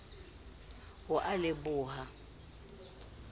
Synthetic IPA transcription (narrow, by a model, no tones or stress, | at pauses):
hʊʔalɪbʊːɦa